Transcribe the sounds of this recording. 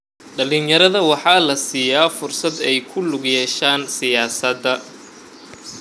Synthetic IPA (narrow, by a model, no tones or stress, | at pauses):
ɖɐlinjɐɾɐðɐwɑħɑːlɐsiːjaːfʊrsɐd̪ɛjkʰʊlʊɡjɛːʃaːnsɪjaːsɐd̪ːɐ